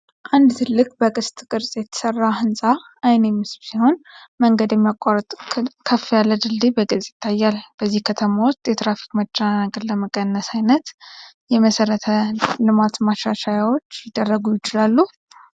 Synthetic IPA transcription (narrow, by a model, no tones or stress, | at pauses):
ʔand̪t̪ʰɨlːɨkʼbəkʼɨst̪ʼɨkʼɨɾsʼjɛt̪ʰə̥sərːahɨnsʼa | ajnemɨsbsiho̞nməŋɡəd̪jɛmːijakʷʼarət̪ʼʰkʰəfːijalːəd̪ɨld̪ibəɡɨsʼjɪ̥t̪ʰːajːalb̥əzːihkʰət̪ʰəmawʊst̪jɛt̪ɾafi̥kmət͡ʃʼːanaɡəɾləməkʼənːəsajnət̪ | jɛməsəɾət̪ʰəlɨmat̪maʃaʃajawo̞t͡ʃːjɪd̪ːərːəɡujɪt͡ʃɪlalːu